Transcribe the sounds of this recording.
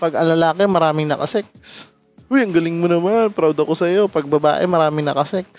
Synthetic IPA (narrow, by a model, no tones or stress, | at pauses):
pɐɡɐŋlɐlaːkɛmɐɾaːmɪŋnɐkɐ̰sɛk̚s | ʊjɐŋɡɐlɪŋmonɐmanpɾawd̪ɐkosɐjo̞pɐɡ̚bɐba̰ːʔɛmɐɾaːmɪŋnɐkɐsɛk̚s